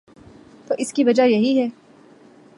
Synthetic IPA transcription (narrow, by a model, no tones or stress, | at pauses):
t̪oːʔɪskiʋɐd͡ʒajɐɦiɦɛː